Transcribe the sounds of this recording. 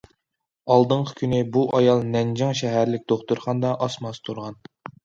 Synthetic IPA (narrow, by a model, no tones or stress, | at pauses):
ɑlˠd̪əɴqʰə̥kʲʰynɪbuʔɑjɑlˠnɛnd͡ʒɑŋʃɛɦæɾlɪk̚ʲd̪oχt̪uɾχɑnd̪ɑʔɑsmɑst̪ʰuɾʁɑn